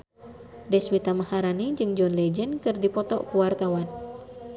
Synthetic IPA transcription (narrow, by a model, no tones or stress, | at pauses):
dɛswit̪amahaɾanid͡ʒɨŋd͡ʒɔnlɛd͡ʒɛnkɨrdipɔt̪ɔʔkuwart̪awan